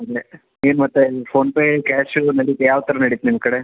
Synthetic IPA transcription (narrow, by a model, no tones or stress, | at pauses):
ɐd̪e | eːnmɐt̪ːepʰoːnpeːkaːʂnɐɽit̪jaːʋt̪ɐɾɐnɐɽit̪nimkɐɽe